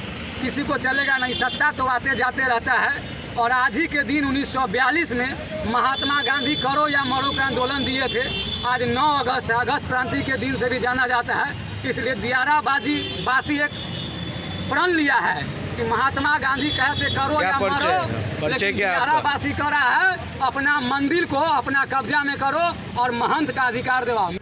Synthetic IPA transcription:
kisikot͡ʃəleɡanəɦĩsək̚t̪at̪obat̪ed͡ʒat̪eɾəɦt̪aɦɛ | ɔːɾaːd͡ʒʱiked̪inunːisːɔbjalismẽ | məɦat̪maɡãnd̪ʱikəɾojaməɾokeãnd̪oːlənd̪iet̪ʰeaːd͡ʒnɔəɡəsʈ̪əɡəst̪̚kɾãnt̪iked̪insebʱid͡ʒanad͡ʒat̪aɦɛ | ɪslied̪ijaɾabad͡ʒi | basiek | pɾənlijaɦɛ | kiməɦat̪maɡãnd̪ʱikəɦɛsekəɾojaməɾolekiijaɾabasikəɾaɦɛ | əpnamənd̪ɪlkoəpnakəbd͡ʒamẽkəɾo | ɔːɾməɦənt̪kaəd̪ʱikaːɾd̪ebao

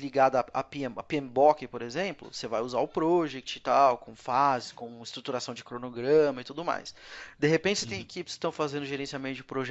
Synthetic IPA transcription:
liɡad̪ɐɐa̰piẽapiẽmbɔkɪpoɾezẽmplʊ̰sevajuzaʊpɾɔʒɛkt͡ʃɪt̪awkõw̃fazɪskõw̃ɪst̪ɾut̪uɾasɐ̃w̃d͡ʒɪkɾonoɡɾɐ̃mɐit̪ud̪ʊma̰jsd̪eɦepẽt͡ʃɪset̪ẽj̃ekipɪskɪ̥t̪ɐ̃w̃fazẽnd̪ʊʒeɾẽsiamẽnt̪ʊd͡ʒɪpɾoʒɛ

